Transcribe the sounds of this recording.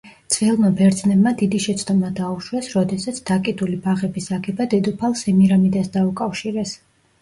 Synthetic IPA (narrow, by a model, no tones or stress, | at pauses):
t̪sʰʼvɛlˠmabɛɾd̪znɛbmad̪id̪iʃɛt̪sʰd̪ɔmad̪auʃwɛsɾɔd̪ɛsat̪sʰd̪̥akʼid̪ulibaʁɛbisaɡɛbad̪ɛd̪upʰalˠsɛmiɾamid̪asd̪aukʼafʃiɾɛs